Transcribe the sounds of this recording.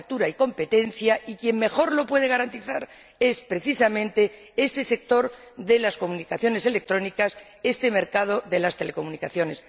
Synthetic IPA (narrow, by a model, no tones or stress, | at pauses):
t̪uɾaiko̞mpe̞t̪e̞nθjaikje̞mmːe̞xo̞ɾlo̞pwe̞ð̞e̞ɣaɾant̪iθaɾ | e̞spɾe̞θisamẽ̞nt̪e̞ | e̞st̪e̞se̞k̚t̪o̞ɾ | ðelasko̞munikaθjo̞ne̞se̞lek̚t̪ɾo̞nikas | e̞st̪e̞me̞ɾkað̞o̞ðe̞last̪e̞leko̞munikaθjo̞ne̞s